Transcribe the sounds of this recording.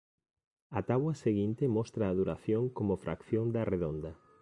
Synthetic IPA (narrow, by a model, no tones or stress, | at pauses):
ɐt̪aβwɐseɣint̪emɔst̪ɾaːðuɾaθjoŋkomʊfɾʔa̰kθjõnd̪ɐreðond̪ɐ